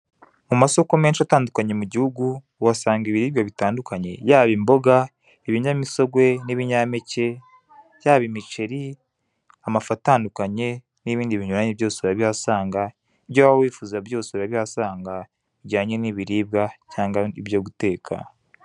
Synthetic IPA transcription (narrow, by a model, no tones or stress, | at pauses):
mumaso̞kome̞ːnʃataːndukaɲe̞muɟihuɡu | wasaːŋɡiβiɾiːbɡaβitaːndukaɲe̞jaːβimbo̞ɡa | eβiɲamiso̞ɡwe̞niβiɲamece̞ | jaːβimit͡ʃe̞ɾi | amafataːndukaɲe̞ | niβiːndiβiɲuɾaɲeβjo̞ːseiɾaβihasaːŋɡa | iβɟowawiːfuzabjo̞ːseβuɾaβihasaːŋɡa | iɟaːɲe̞niβiɾiːb̚ɡacaːŋɡaiβjo̞ɡute̞ːkʰa̰